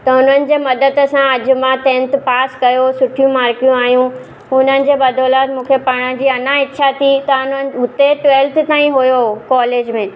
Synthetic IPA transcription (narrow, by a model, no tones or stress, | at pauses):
t̪ɐʊn̤ənɪ̆d͡ʑeːmɐd̪əd̪̆sãɐd͡ʑʊ̆mãt̪ẽːnt̪̆paːskɐjosʊʈʰijũmaːɾkijũaːɦijũ | ʊn̤ənɪ̆d͡ʑeːbɐd̪ʱoːlaːt̪mũːkʰepaːɽ̃əd͡ʑiːɐnaɪtːɕʰat̪ʰit̪ɐʊn̤ənɪ̆ɦʊt̪eʈʋeːlt̪t̪aːĩɦʊjokɔːleːd͡ʑmẽː